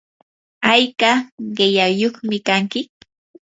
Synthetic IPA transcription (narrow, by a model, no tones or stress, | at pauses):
ajkaɢɪjajoχmɪkaŋkɪ